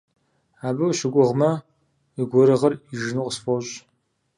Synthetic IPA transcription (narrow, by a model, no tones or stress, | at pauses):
aːbɨwʃɪɡʷʊʁmɐ | iɡʷɔɾɨʁɐriʒnuqʼəsfoɕʼ